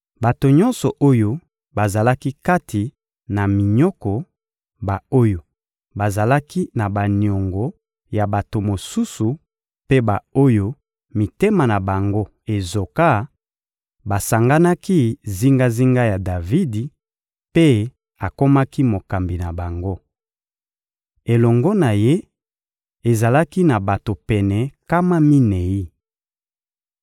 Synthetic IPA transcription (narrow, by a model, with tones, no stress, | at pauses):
ba˨to˨ɲɔ˦nsɔ˨ʔo˦jo˦ | ba˨za˨la˦ki˦ka˦tʰi˨ | na˨mi˨ɲɔ˦kɔ˨ | ba˨o˦jo˨ | ba˨za˨la˦ki˦na˨ba˨ni˨ɔ˨ŋɡɔ˨ | ja˨ba˨to˨mo˨su˦su˨ | pe˦ba˨o˦jo˦ | mi˨te˦ma˨na˨ba˨ŋɡo˦ | e˨zo˨ka˦ | ba˨sa˨ŋɡa˦na˦ki˦zi˦ŋɡa˦zi˦ŋɡa˦ja˨da˨vi˦di˨ | pe˦ | a˨ko˦ma˦ki˦mo˨ka˨mbi˨na˨ba˨ŋɡo˦ | e˨lɔ˨ŋɡɔ˦na˨je˦ | e˨za˨la˦ki˦na˨ba˨to˨pɛ˨nɛ˨ka˦ma˦mi˦nɛ˨i˦